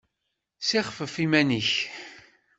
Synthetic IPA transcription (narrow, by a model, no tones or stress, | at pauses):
sɪʁfəfimæniç